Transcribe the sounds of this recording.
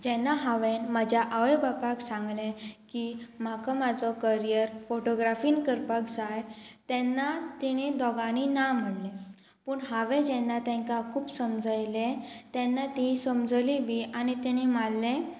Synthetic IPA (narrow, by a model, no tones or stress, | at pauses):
d͡ʑɛnːaɦaʋenmad͡ʑʱjaʔaʋebapaksãŋɡlẽkim̤akamad͡zɔkəɾijəɾfoʈoɡɾafiːnkəɾpakd͡zajt̪ɛnːat̪iɽ̃id̪ɔɡañinam̤əɽlẽ | pəɳɦaʋed͡ʑɛnːat̪ɛ̃ŋkakʰuːpsəmd͡zəjlẽt̪ɛ̃nːat̪ĩsəmd͡zliʋiañit̪ɛɽ̃imalːẽ